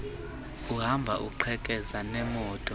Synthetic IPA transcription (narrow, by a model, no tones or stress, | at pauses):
uɦambʱaʔṵǃʰɛkʼɛzanɛmɔːtʼɔ